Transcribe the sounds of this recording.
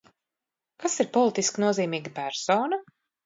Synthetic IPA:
kasiɾpɔlˠit̪iskinuɔziːmiːɡapæɾsoːnɐ

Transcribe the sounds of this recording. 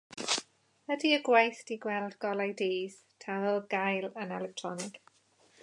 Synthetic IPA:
ədiəɡwajθtiɡwɛlˠdɡɔlajdeːz̥ | tʰawəlˠɡajlənɛlɛk̚tʰɹɔnɪɡ̥

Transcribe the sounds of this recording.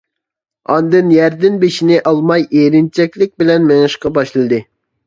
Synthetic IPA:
ɑnd̪ɨnjæɾd̪ɪnbeʃinɪʔɑlˠmɑjeɾɪnt͡ʃʰɛkʲlɪk̚ʲbɪlɛnmeŋɨʃqɑbɑʃlˠɨd̪ɨ

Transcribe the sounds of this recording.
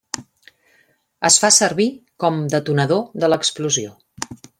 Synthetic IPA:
əsfasəɾβikɔmd̪ət̪unəðoðələkspluzio

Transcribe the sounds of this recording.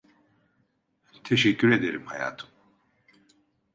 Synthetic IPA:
t̪ʰɛʃɛcʲːyɾed̪eɾimhaja̰ːt̪ʰɯ̥m

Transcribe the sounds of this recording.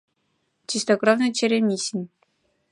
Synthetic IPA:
t͡ɕist̪oɡravnɤ̆t͡ɕĕɾʲemʲiɕinʲ

